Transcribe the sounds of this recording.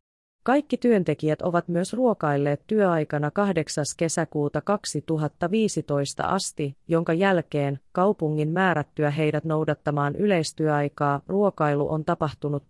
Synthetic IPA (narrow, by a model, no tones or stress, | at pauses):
kɑjkːit̪yønt̪e̞k̟iæt̪o̞ʋɑt̪myøsruo̞kɑjlːe̞ːt̪ːyøɑjkɑnɑkɑhde̞ksɑske̞sækuːt̪ɑkɑksit̪uɦɑt̪ːɑʋiːsit̪o̞jst̪ɑ̰ʔɑ̰st̪ijo̞ŋkɑjælk̟e̞ːnkɑwpuŋːimmæːɾæt̪ːyæɦe̞jdæt̪no̞wdɑt̪ːɑmɑːnʔyle̞jst̪yøɑjkɑːruo̞kɑjlṵʔo̞̰nt̪ɑpɑht̪unut̪